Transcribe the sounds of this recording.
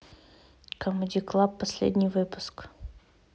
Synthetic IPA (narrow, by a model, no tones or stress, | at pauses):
kɐmɨd̪ʲiklˠapːɐsʲlʲḛd̪ʲnʲɪjvɨpʊ̥sk